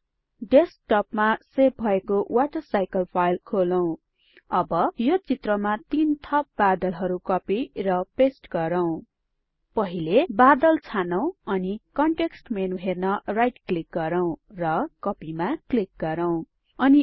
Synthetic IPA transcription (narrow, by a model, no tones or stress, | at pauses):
ɖesk̚ʈʌpmasep̚bʱʌekowʔaʈʌrsajkʌlpʰajlkʰolʌw̃ | ʌbʌjot͡sit̪rʌmat̪int̪ʰʌp̚bad̪ʌlɦʌɾukʌpirʌpesʈɡʌɾʌw̃ | pʌɦilebad̪ʌlt͡sʰanʌw̃ʌnikʌɳʈeksʈmenuɦernʌrajʈklik̚ɡʌɾʌw̃rʌkʌpimaklik̚ɡʌɾʌw̃ | ʌni